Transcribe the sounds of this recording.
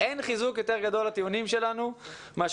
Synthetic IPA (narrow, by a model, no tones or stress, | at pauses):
enχizukjo̞t̪e̞ʁɡad̪o̞lat̪iunimʃe̞lanu | maʃ